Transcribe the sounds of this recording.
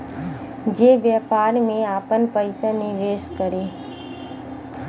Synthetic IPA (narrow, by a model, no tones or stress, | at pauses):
d͡ʒeːʋjəːpaːɾmẽaːpənpəɪsanɪʋeːʃkəɾeː